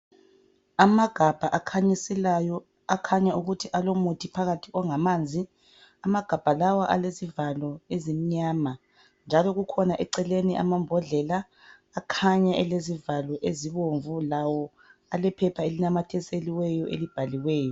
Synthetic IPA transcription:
amaɡ̥ʱab̥ʱaʔakʰaɲisɛlajɔ | akʰaɲauɣutʰiʔalomutʰipʰaɣatʰiɔŋamand͡zʱi | amaɡ̥ʱab̥ʱalawaʔalezivalɔezim̩ɲaːma | nd͡ʒʱalɔɣukʰɔnaʔɛǀɛleniʔa̰mambʱɔɮɛlaː | kʰaɲaʔɛlezivalɔʔeziβoɱvulawɔ | alɛpʰɛpʰaelinamatʰɛseliwɛjɔʔḛlib̥ʱaliwɛːjɔ

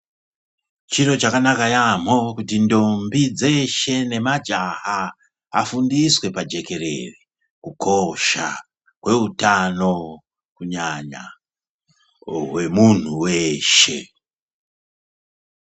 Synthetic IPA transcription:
t͡ʃiɾo̞t͡ʃakanakajam̤o̞kutindo̞mbid͡ze̞ʃe̞ne̞mad͡ʒaha | afundiswe̞pad͡ʒe̞ke̞ɾe̞̰ri | kukʰo̞ʃa̰ | kwe̞utano̞ | kuɲaɲa̰ | we̞mun̤uweʃe̞

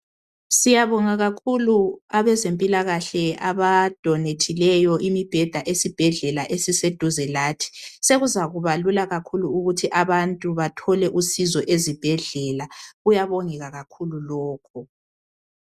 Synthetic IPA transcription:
sijaβɔŋaɣakʰuluaβɛzempʼilaɣaɬɛaβad̥ʱɔnetʰilɛjɔʔimib̥ʱɛd̥ʱaʔesib̥ʱɛɮɛlaʔesised̥ʱuzɛlaːtʰi̥seɣuzaɣuβalulaɣakʰuluuɣutʰiʔaβantʼuβatʰɔlɛʔusizɔʔezib̥ʱɛɮɛlaɣujaβoŋɛɣaɣakʰululɔːkʰɔ

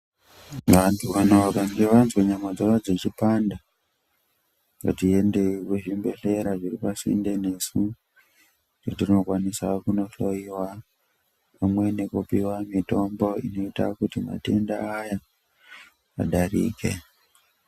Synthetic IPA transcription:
ʋantʰuʋanoʋakaŋɡeʋanzweɲamad͡zorad͡ze̞t͡ʃipanda | ka̰tie̞nde̞ikuʐimbe̞ɬe̞ɾaʐiripasḭnde̞ne̞su | t͡ʃotirinokwanisakuno̞ɬo̞jiwa | pamwe̞nekupiwamito̞mbo̞ḭno̞ita̰kutima̰te̞̰nda̰ːja | a̰ɗarḭːke̞̰

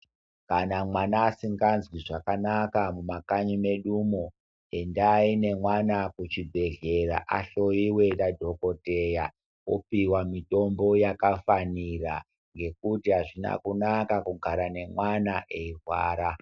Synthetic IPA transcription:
kanamwanaːsiŋɡanzwiʐakanakamumakaɲime̞ɗumo | e̞ndaːine̞mwanakut͡ʃibʱe̞ɮe̞ɾa̰ʔaɬo̞iwe̞dadʱo̞ko̞te̞ja | o̰piwamito̞mbo̞jakafanira | ŋɡe̞kutiɦaʐina̰kunakakuɡʱaɾane̞mwanaʔe̞irwa̰ːɾa

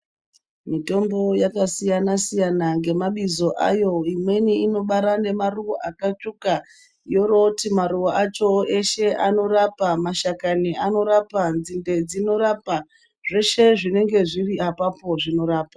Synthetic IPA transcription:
mito̞mbo̞jakasijanasijanaŋɡe̞maɓizo̞ʔa̰jo̞imwe̞niino̞ɓaɾane̞maruwoʔakat͡ʃuka | jo̞ɾotimaɾuwaʔat͡ʃo̞eʃe̞ʔano̞rapamaʃakaniano̞ɾapand͡zinde̞d͡zino̞ɾapa | ʐe̞ʃe̞ʐine̞ŋɡe̞ʐiriapapo̞ʐino̞ɾaːpa

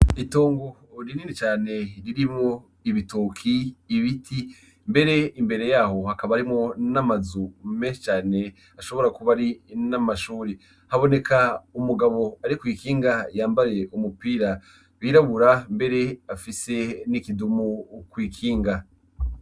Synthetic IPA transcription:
ito̞ːŋɡo | ɾininit͡ʃaːne̞ɾiɾimo | iβitokʰiːβitʰi | mbe̞ɾe̞imbe̞ɾe̞jaːho̞hakaβaɾimŋo̞namazume̞ːʃet͡ʃaːne̞ | aʃo̞βo̞ɾakuβaɾinamaʃuːɾi | haβo̞ne̞kʰaumuɡaβo̞aɾikwiːkiːŋɡajaːmbaɾe̞umupiːɾa | βiːɾaβuɾambe̞ɾe̞afise̞nikidumukwiːkʰiːŋɡa

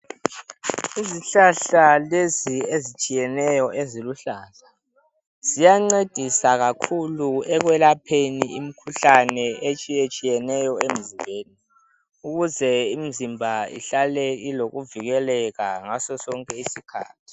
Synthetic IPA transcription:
iziɬaɬaleziezit͡ʃʼijɛnɛjɔʔeziluɬaːɬḁ | z̥ijaŋ͡ǀed̥ʱisaɣakʰuluɛɣ̬wɛlapʰeniim̩kʰuɬanɛet͡ʃʼijet͡ʃʼijɛnɛjɔem̩zimbʱeːni | uɣuzɛimizimbʱaḭɬalɛiloɣuviɣɛlɛɣaŋasɔsɔŋkʼɛisikʰa̰ːtʰi̥

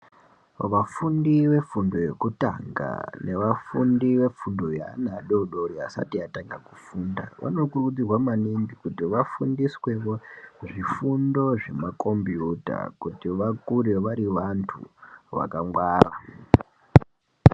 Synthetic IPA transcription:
ʋafundiʋe̞fundo̞je̞kuta̰ŋɡa̰nʔe̞ʋafundiʋe̞fundo̞ja̰naɗoɗoɾiasa̰tiataŋɡaku̥fuːnda̰ʋʔa̰no̞kurud͡zirwamanimbikutiʋafundiswe̞ʋoʐifundo̞ʐe̞mako̞mbjuta̰kutiʋakuɾe̞ʋaɾiʋantʰṵʋa̰kaŋwaːra

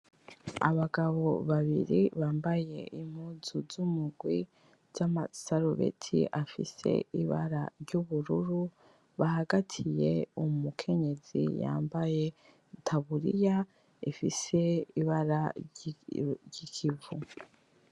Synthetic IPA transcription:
a̰βaɡaβo̞βaβḭɾiβaːmbaje̞ʔim̥huːzuzumuɡwi | ɟamasaɾuβḛtʰḭʔafḭse̞̰iβa̰ɾa̰ɾɟuβuɾuɾu | βahaɡatʰije̞umukʰe̞ɲe̞zḭja̰ːmbaje̞ | tʰaβuɾḭja | ifise̞iβaɾa | ɟikʰivu

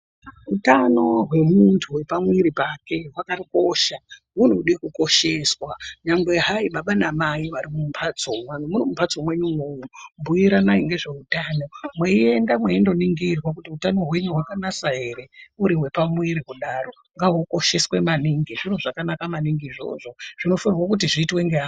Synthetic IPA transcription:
ɦutano̞ɦwe̞muntʰuwe̞pamwiɾipake̞ɦwakariko̞ʃaɦun̤uuɗekuko̞ʃe̞swaɲaŋɡwe̞ɦaiɓaɓanamaiʋaɾimumpʰat͡somwanmuɾimumpʰat͡so̞mwe̞ɲumwoːmumbuiɾanaiŋɡe̞ʐe̞utaːno̞mweie̞ndamweindo̞niŋɡirwak̬utiutano̞ɦwe̞ɲuɦwakanasaɦeɾeuɾiwe̞pamwiɾikuɗaro̞ | ŋɡaɦoko̞ʃe̞swe̞maniŋɡiʐiroʐakanakamaniŋɡiːʐo̞̰ʐo̞ʐ̥ino̞farwakut̬iʐiːtweŋɡeɦaː

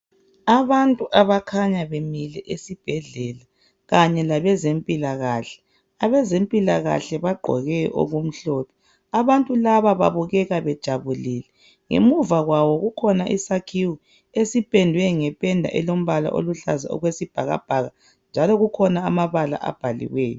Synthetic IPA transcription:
aβantʼuʔaβakʰaɲaβemilɛʔesib̥ʱɛɮɛla | ɣaɲɛlaβɛzempʼilaɣaɬɛ̥ | aβɛzempʼilaɣa̰ɬɛβaɡ͡ǃʱɔ̰ɣɛjɔʔo̰ɣum̩ɬɔpʰɔ̥ | aβantʼulaβaβa̰βuɣɛɣaβɛd̥ʒ̥ʱaβulilɛ | ŋḛmuvaɣwawɔɣukʰɔnaʔḭsakʰiwu | esipʼɛndʱwɛŋɛpʼɛndʱa̰ʔɛlom̩βala̰ʔo̰luɬa̰za̰ɔ̰ɣwesib̥ʱaɣa̰b̥ʱaɣa | nd͡ʒʱalɔɣukʰɔnaamaβala̰ʔa̰b̥ʱalḭwɛːjɔ

